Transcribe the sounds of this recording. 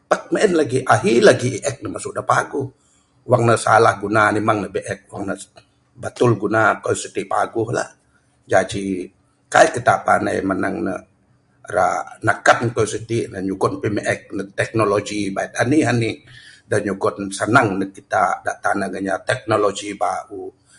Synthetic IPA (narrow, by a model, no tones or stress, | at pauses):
pak̚meʔɛnlaɡiʔaɦilaɡiiʔɛk̚nəmasʊʔdapaɡʊh | waŋnəsalahɡunanimaŋnəbɛʔɛk̚wa̰ŋnə | bat̪ʊlɡunakajusit̪ipaɡʊhla̰ | d͡ʒad͡ʒi | kaikit̪apana̰jməna̰ŋnə̰ | ɾa̰nakat̪̚nkousit̪inəɲuɡɔnpimʔɛk̚nət̪ɛk̚noloɡibait̪̚aniɦanidaɲuɡɔtnsənaŋnəkit̪ada̰ʔt̪anaɡəɲat̪ɛk̚nolod͡ʒibaʔu